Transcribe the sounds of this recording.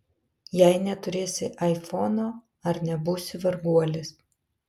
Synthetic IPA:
jɛɪnʲɛt̪ʊɾʲeːsʲɪʔɐɪfɔnoː | ɐɾnʲɛbʊsʲɪʋɐɾɡuɔlʲɪs

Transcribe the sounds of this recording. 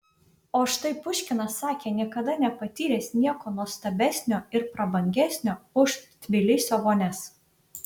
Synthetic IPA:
oːʃt̪ɐɪpʊʃʲkʲɪnɐsːɑːkʲeːnʲiɛkɐd̪ɐnʲɛpɐt̪ʲiːɾʲesnʲiɛkoːnuɔst̪ɐbʲæsʲnʲoːɪɾpɾɐbɐŋʲɡʲæsʲnʲoːʊʃt̪ʲʋʲɪlʲɪsʲoːʋoːnʲɛs

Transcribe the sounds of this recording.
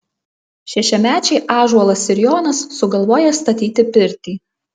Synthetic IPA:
ʃʲɛʃʲɛmʲæːt͡ʃʲɛɪʔɑːʒuɔlˠɐsɪɾʲjoːnɐsːʊɡɐlˠʋoːjɛst̪ɐt̪ʲiːt̪ʲɪpʲɪɾʲt̪ʲiː

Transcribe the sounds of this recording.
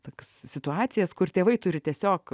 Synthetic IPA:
t̪oːkʲossʲɪt̪ʊɑːtt͡ssʲɪjɛskʊrt̪ʲeːʋɐɪt̪ʊɾʲɪt̪ʲiɛsʲoːk

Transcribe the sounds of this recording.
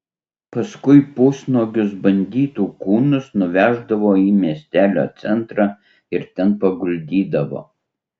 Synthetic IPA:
pɐskʊɪpoːsnoːɡʲʊs̬bɐnʲd̪ʲiːt̪uːkuːnʊsnʊʋʲæːʒd̪ɐʋoːiːmʲiɛsʲt̪ʲæːlʲo̰ːt̪sʲɛnˑt̪ɾɑː | ɪɾt̪ʲɛnpɐɡʊlʲd̪ʲiːd̪ɐʋo̰ː

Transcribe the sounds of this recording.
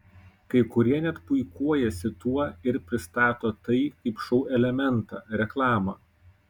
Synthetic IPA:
kɐɪkʊɾʲiɛnʲɛt̪pʊɪkuɔjɛsʲɪt̪uɔɪɾpʲɾʲɪst̪ɑːt̪oːt̪ɐɪkɐɪpʃɔʊʔɛlʲɛmʲɛnt̪ɑ̰ːɾʲɛklˠɑːmɑː

